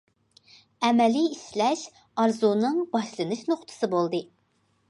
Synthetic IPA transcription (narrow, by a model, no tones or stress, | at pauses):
ɛmɛliislɛʃ | ɑɾzunɨŋbɑʃlˠɨnɨʃnoχt̪ʰɨ̥sɨbolˠd̪ɨ